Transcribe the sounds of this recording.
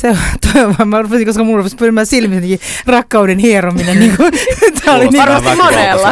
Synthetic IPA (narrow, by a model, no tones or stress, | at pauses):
set̪oiʋɑmærupesiŋkoskɑmulrupespyrimæːssilmisnikirɑkːɑudenhiːrominenniːŋkut̪ʰæoliniːɑɑmonelːɑ